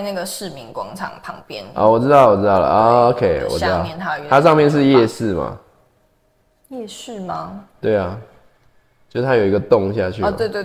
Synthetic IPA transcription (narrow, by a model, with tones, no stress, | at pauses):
ɪna˥˩ɡə˩ʂɻ̩˥˩mi˧˥ŋkwɑ˥ŋʈ͡ʂʰɑ̰˨˩ŋpʰɑ˨˩˦ŋpjɛ˥˧nɔ̰˥˩wɔ˨˩ʈ͡ʂɻ̩˥t̪ɑ˥˩wɔ˨˩ɻ̩˥t̪ɑ˥˩ʊlə̰˨˦o˥kʰe˥˩ɪwɔ̰˨ʈ͡ʂɻ̩˥˨ɑ˥˨ɛ˧˦nt̪ʰa˥˧t̪ʰa˥ʂɑ˥˧ŋmjɛ˥˨nʂ̬ɻ̩˥˧jɛ˥˧ʂɹ̩˥˩ma̰˩ | jɛ˥˧ʂɻ̩˥˩ma˧˦t̪we˥˩ɪa˩ | t͡ɕo˥˩ʂt̪ʰa˥jo˨˩i˥ɡə˨t̪ʊ˥˨ŋɕja˥˧t͡ɕʰy˥˧˨ə̰˨we˥˧t̪w